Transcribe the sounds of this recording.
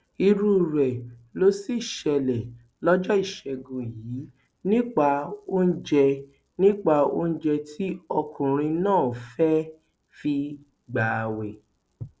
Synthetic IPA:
i˧ɾu˦˨ɾɛ˨lo˦si˦˨ʃɛ˧lɛ˨ | lɔ˦d͡ʒɔ˦i˦˨ʃɛ˧ɡo˨jiː˨˦ | nĩ˦k͡pa˧o˦n̩˦d͡ʒɛ˧ | nĩ˦k͡pa˧o̰˦n̩˦d͡ʒɛ˧tʰi˦ɔ˧kũ˨ɾ̃ĩ˧nãː˦˨fɛ˦ | fi˧ | ɡ͡ba˨wɛ˨

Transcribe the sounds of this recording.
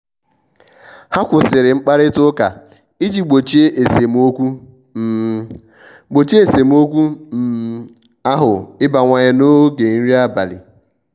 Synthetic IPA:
ha˦kʷʊ˨sɪ˨ɾɪ˨ŋ͡m̩˦k͡pa˦ɾɪ˦tʊ˦ka˨ | i˦d͡ʒi˨ɡ͡bo˨t͡ʃe˦e˨se˨m˦o˦kʷu˦˨ | ɡ͡bo˨t͡ʃi˦e˨se˨m˦o˦kʷu˦m̩˨˦ | a˦ɦʊ˨ɪ˦ba˨ŋʷa˨ɲa˦no˦ɡe˨n̩˦ɾi˦a˦ba˨lɪ̰˨

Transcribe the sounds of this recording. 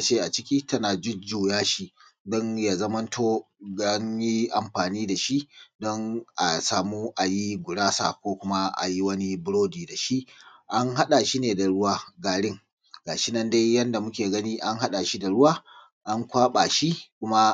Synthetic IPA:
ʔa˨t͡ʃeː˦ʔa˨t͡ʃɪ˦kʲiː˦tɐ˦naː˨d͡ʒɪ˦d͡ʒuː˨jaː˦ʃi˦dɔ˦nja˨zɐ˦mɐ˦ntʰoː˦ | ɡa˦ɲji˦ʔa˨mɸaː˨niː˦da˨ʃi˦ʔdɔ˦ŋʔa˨saː˨muː˦ʔa˨ji˦ɡʷʊ˨ɽaː˦sa̰ː˨kʷoː˦kʷʊ˦ma˦ʔa̰˨ji˦wɐ˦ni˦bʊ˦ɽoː˦diː˨da˨ʃi˦ʔʔa˦ŋɦa˦ɗa˨ʃiː˦neː˨da˨ɽʊ˦waː˦ɡaː˨ɽɪ˦ŋ | ɡaː˨ʃɪ˦nɐ˦nda˦jːɐ˦nda˨mʊ˦kʲeː˨ɡɐ˦niː˦ʔa˦ŋɦa˦ɗa˨ʃi˦da˨ɽʊ˦waː˦ | ʔa˦ŋkʷaː˦ɓa˨ʃi˦kʷʊ˦ma˦

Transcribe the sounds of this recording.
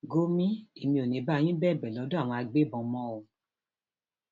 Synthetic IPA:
ɡo˧mĩ˦e˨mĩ˧o˨nĩ˨˦ba˨˦˧j̃ĩ˦bɛ˦˨bɛ˨lɔ˨˧˦dõ˦a˦˨w̃ɔ̃˧a˧ɡ͡be˦bɔ̃˧mɔ̃˦o˧

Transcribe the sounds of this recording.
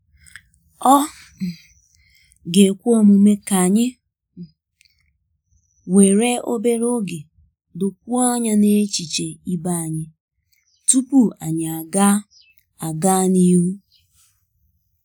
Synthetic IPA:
ɔ˦ | ɡe˨kʷu˦ɔ˦mu˨me˦ka˨ɲɪ˦ | we˨ɾe˦o˦be˦ɾo˦ɡe˨ | dʊ˨k̚ʷu˦ɔ˦ɲa˦ne˦t͡ʃi˨t͡ʃe˨i˦ba˦a˨ɲɪ˦ | tu˦pu˦a˨ɲ˨a˨ɡa˦ | a˨ɡa˦ni˦ɾu˦

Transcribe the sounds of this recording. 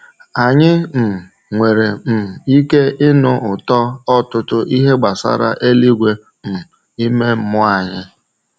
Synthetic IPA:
a˨ɲɪ˦m̩˨ | ŋʷe˨ɾe˨m̩˨i˦ke˦ɪ˦nʊ˦ʔʊ˨tɔ˦ɔ˦tʊ˦tʊ˦ʔi˦ɦe˦ɡ͡ba˨sa̰˦ɾa̰˦ʔe˦li˦ɡʷe˦ | m̩˨ | i˦me˦m̩˨mʊ˦a˨ɲɪ˦

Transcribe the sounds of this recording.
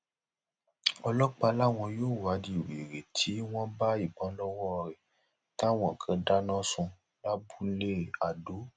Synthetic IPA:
ɔ˧lɔ˦k͡pa˧la˦w̃ɔ̃˧joː˦˨wa˨˦di˨we˨ɾe˨tʰi˨˦w̃ɔ̃˦ba˦i˨ɡ͡bɔ̃˨˦lɔ˦wɔ˦ɾɛ˨ | ta˦w̃ɔ̃˨kʰã˧da˦nɔ̃˦sũ˧ | la˦bu˦le˦a˨do˨˦

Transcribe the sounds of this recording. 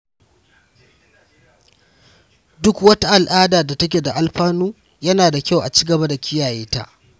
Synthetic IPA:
dʊ˦kwɐ˦ta˦ʔa˨lʔaː˦daː˨da˨tɐ˦k̬ʲeː˨da˨ʔa˨lɸaː˦nuː˦ | jɐ˦naː˨da˨kʲa˦˨wʔa̰˨t͡ʃiː˦ɡɐ˨ba˦da˨kʲʰɪ˦jaː˨jeː˦ta̰˦ʔ

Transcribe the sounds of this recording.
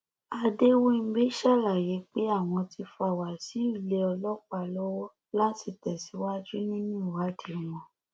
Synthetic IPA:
a˧de˦wo˦n̩˦be˦ʃa˦˨la˨je˨˦k͡pe˦a˦˨w̃ɔ̃˧ti˧fɔ˧a˨wa˨si˨˦i˦˨le˦ɔ˧lɔ˦k͡pa˧˨lɔ˦wɔ˦ | lã˦ti˧tɛ˨si˨˦wa˦d͡ʒu˦nĩ˦nĩ˦˨wa˨˦di˨˦mɔ̃˨

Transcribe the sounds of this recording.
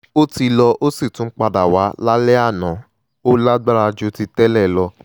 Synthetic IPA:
o˦ti˧lɔ˧ʔo˦si˦˨tũ˨˦k͡pa˧da˨wa˨˦la˦lɛ˦a˦˨nã˨˦ | o˦la˦ɡ͡ba˦ɾa˧d͡ʒo˨˦ti˧tɛ˦lɛ˦˨lɔ˧

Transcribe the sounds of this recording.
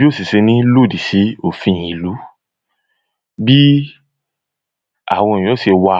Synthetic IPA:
bi˦o˦si˨se˧nĩ˦lo˦˨di˨si˨˦o˨fĩ˧˨ji˨lu˨˦ | bi˦ | a̰˦˨w̃ɔ̃˧˨j̃ɔ˨˦ʃe˧wa˧

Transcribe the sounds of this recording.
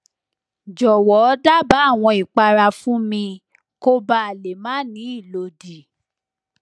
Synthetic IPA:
d͡ʒɔ˨wɔ˨˦da˦ba˨˦˨w̃ɔ̃˧i˨k͡pa˧ɾa˧fũ˦mĩ˧ | ko˦ba˦a˨le˨mã˦nĩ˨˦i˦˨lo˧di˨

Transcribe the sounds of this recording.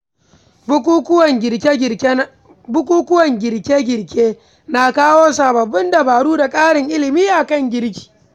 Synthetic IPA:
bʊ˦ku˦ʊ˦wɐ˨ŋʲɪ˨kʲ | bʊ˦kʷuː˦kʊ˦wɐ˨ŋɡʲɪ˨ɾkʲeː˦ɡʲɪ˨ɽkʲeː˦ | na˨kaː˦woː˦saː˨bɐ˨bːʊ˦ndɐ˨baː˨ɽuː˦da˨kʼaː˦ɽɪ˨ŋʔɪ˦lɪ˨miː˦ʔa˨kɐ˦˨ŋɡʲɪ˦ɾkʲi̥ː˨

